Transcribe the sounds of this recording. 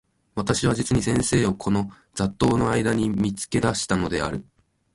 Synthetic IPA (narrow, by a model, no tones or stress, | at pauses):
βat̪aɕiβ̞ad͡ʑit͡sɨɲ̟isẽ̞ɰ̃se̞ːo̞kʰo̞no̞ | zd͡zat̪ːo̞ːno̞aid̪aɲ̟imʲit͡sɨ̥ke̞d̪aɕi̥t̪ano̞d̪e̞̰a̰ɾɯ̟